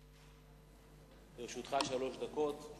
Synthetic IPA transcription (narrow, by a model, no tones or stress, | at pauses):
eʁʃut̪χaʃalo̞ʃd̪ako̞t̪